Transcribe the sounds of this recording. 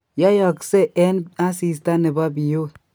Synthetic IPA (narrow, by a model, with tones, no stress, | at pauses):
ja˦jɔ˨kse˦ʔɛ˦na˦si˨s̬t̪a˦ne˨ba˦bi˨jo˦